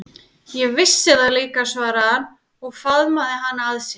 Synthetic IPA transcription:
jɛɣvɪsːɪðaðliːkasvaːɾahanː | ɔɣfaðmaðɪɦanːaðsjɛ

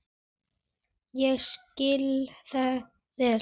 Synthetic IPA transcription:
jɛɣscɪlθa | vɛ

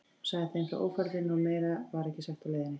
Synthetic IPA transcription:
saɣðɪθemkaɾʔo̰ːwfɛɾðɪnumeːjɾavaɾɛhcɪsɛxt̪aleːjðɪnɪ

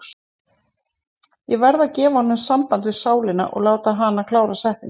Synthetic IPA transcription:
jɛvɛɾðacɛːvahɔnːʏmsampant̪vɪsaːwlɪna̰ʔɔ̰ɣlaːwt̪aɦanakʰlaːwɾasɛht̪ɪn

